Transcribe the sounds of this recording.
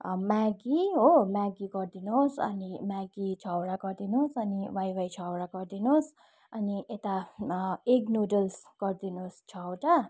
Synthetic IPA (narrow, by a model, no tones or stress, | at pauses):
maɡiɦomaɡiɡʌrd̪inosʌ̰nimaɡit͡ʃʰawɾaɡʌrd̪inosʌniwajwajt͡sʰawɾaɡʌrd̪inos | ʌniʔet̪a | eknodʌlsɡ̥ʌrd̪inost͡ʃʰʌwʈa